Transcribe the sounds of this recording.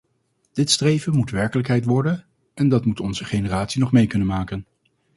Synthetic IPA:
d̥ɪtstrejvənmutʋɛɹkələkɦɛjtʋɔɹdən | ɛndɑtmutɔnzəχejnəraːtsinɔχmejkɵnənmaːkən

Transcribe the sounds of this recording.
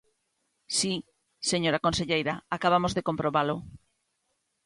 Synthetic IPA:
si | seɲoɾakonseʎejɾaakaβamozðekompɾoβalʊ

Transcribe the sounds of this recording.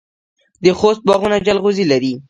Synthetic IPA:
d̪əxost̪̚bɑɣunad͡ʒalɣuzilaɾi

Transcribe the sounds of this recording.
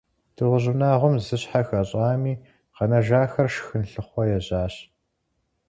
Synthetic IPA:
d̥ʰɨʁʷʊʑʊnaːʁʷʊmzɨɕħaxɐɕʼɑːmiː | qɐnɐʒaːxɐrʃxɨnɬɨχʷɔjɛʑaːɕ

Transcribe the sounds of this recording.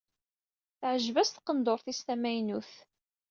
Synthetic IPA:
θʕəʒvæst̪qənd̪oɾˤθist̪æmæjnuθ

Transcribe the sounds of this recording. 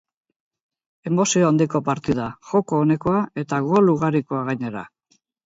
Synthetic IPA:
e̞mo̞sioand̪iko̞paɾt̪ið̞axo̞ko̞ːne̞ko̞ae̞t̪aɣoluɣ̞aɾiko̞aɣ̞ajɲe̞ɾa̰

